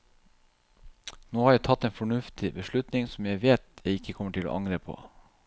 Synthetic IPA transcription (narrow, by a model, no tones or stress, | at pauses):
noːhɑːɾjæɪt̪ʰɑt̪ːeːnfɔɳʉft̪ʰɪbəʂɭʉt̪nɪŋsɔmjæɪʋeːt̪jæɪɪkːəkʰɔməʈʰɪlo̰ːʔɑŋɾeːpʰo̰ː